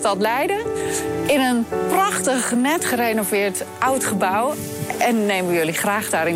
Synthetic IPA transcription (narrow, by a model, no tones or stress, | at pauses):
tɔtlɛjdə | ɪnənprɑχtəχnɛtχərenovɪːɹtʔawtχəbaw | ɛnːejməjøliχraːχdaɾɪn